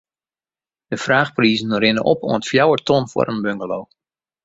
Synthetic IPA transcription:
d̥əfraːxpriːzən̩rɪnə̰ʔɔ̰po̰əntfjawətʰonfwɔ̰ɾənbøŋɡəloː

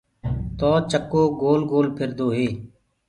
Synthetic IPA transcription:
t̪ɔːt͡ʃəkːoːɡoːlɡoːlpʰɪɾd̪oːɦeː

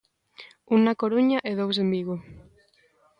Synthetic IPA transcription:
unakoɾuɲaʔeðows̬embiɣo

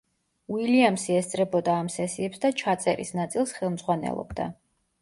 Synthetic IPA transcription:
wiliamsiɛst̪sʼɾɛbɔd̪aːmsɛsiɛpsd̪at͡ʃʰat̪sʼɛɾḭsnat̪sʼilˠsχɛlˠmd̪z̥ʁwanɛ̰lˠɔ̰bd̪a̰

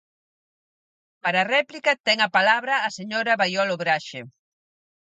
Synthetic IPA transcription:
paɾɐrɛplikɐt̪ɛŋɐpalaβɾɐːseɲoɾɐβajɔloβɾaʃe

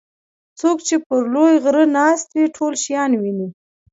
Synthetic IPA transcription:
t͡sokt͡ʃepəɾlojɣɾənɑst̪wiʈʰolʃjɑnwini

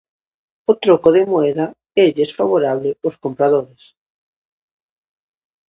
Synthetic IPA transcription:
ot̪ɾokoðemoɛða | eʎesfaβoɾaβleoskompɾaðoɾes

